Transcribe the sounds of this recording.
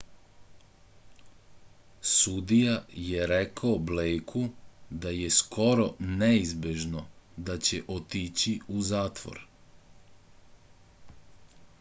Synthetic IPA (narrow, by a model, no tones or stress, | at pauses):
sud̪ijajeɾekaoblejkʰud̪ajesko̞ɾo̞neizbjeʒno̞d̪at͡ɕeʔot̪it͡ɕiuzaːt̪ʋo̰ɾ